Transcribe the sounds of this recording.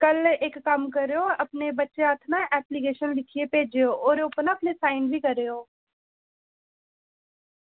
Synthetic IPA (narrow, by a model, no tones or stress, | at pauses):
kəlɪkːəmkəɾeːoːəpneːbətːʃeaːt̪ʰnãːʔɛːplikeːʃənlɪkʰiːeːpeːd͡ʒeːoːoːɾopnaːpneːsaːɪnbʱiːkəɾeːoː